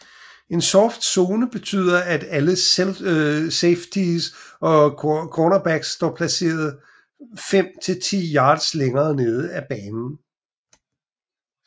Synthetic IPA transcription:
e̝nsɒfd̥so̝ːnəb̥e̝t͡sʰy̰ːð̞ˠɐæd̥æləselsefd̥isɒ̽kʰɒnɐb̥æɡ̥sːd̥ɒ̰ːpʰlæse̝̰ːɐð̞̩ˠ | fem̰t͡sʰe̝lt͡sʰḭːjɑ̈ːd̥sleŋɐːne̝ːð̞ˠəæb̥ɛːnn̩

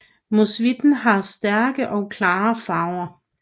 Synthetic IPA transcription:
musʋid̥n̩ɦɑ̈sd̥æɐɡ̥əʔɒ̽ʊkʰlɑːfɑ̈ʊɐ

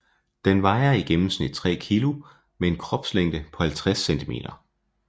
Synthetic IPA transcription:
d̥enʋɑ̈ɪɐiɡ̥emm̩snid̥̚t͡sʰʁɛ̰ːkʰilu | mee̝nkʰʁɒ̽b̥sleŋ̰d̥əpʰɒ̽hælt͡sʰʁasent͡sʰime̝̰ːd̥ɐ

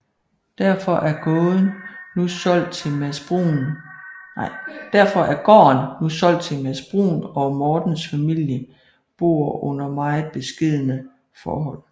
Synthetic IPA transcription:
d̥æɐ̰fɒ̽ʔæɐɡ̥ɔ̽ːðˠnːusɒ̽l̰d̥̚t͡sʰe̝mæsb̥ʁun | ɑɪ̰d̥æɐfɒ̽ʔæɐɡ̥ɒ̰ːnːusɒ̽l̰d̥t͡sʰe̝mæsb̥ʁṵːnɒmɒːd̥n̩sfæmil̰jə | b̥o̝̰ːɐɔ̽n̰ɐmɑ̈ɪð̩ˠb̥e̝sɡ̥e̝ð̰ˠənə | fɒ̰ːɦɒ̽l̰

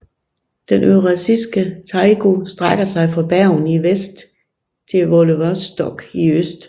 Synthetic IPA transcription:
d̥enʔøʁɑsisɡ̥ət͡sʰɑ̈ɪɡ̥o̝sd̥ʁaɡ̥ɐsɑ̈ɪfɑ̈b̥æɐʊniʋesd̥ | t͡sʰe̝lʋoləʋɐsd̥ɒɡ̥iøsd̥

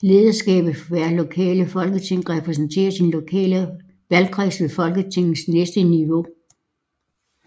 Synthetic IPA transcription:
le̝ːðˠɐsɡ̥ɛ̰ːb̥ð̩ˠfʋæɐlo̝kʰɛ̰ːləfɒ̽lɡ̥ət͡sʰe̝ŋ̰ʁɛpʰʁɛs̬ən̩t͡sʰe̝̰ːɐsinlo̝kʰɛ̰ːlə | ʋælkʰʁḭsʋe̝fɒ̽lɡ̥ət͡sʰe̝ŋ̰n̩snesd̥əniʋo̝

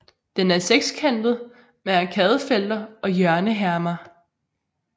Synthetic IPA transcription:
d̥enæɐseɡ̥skʰen̰b̥ð̩ˠ | meækʰɛːð̞ˠəfel̰d̥ɐɒ̽jœɐnəɦæɐmɐ

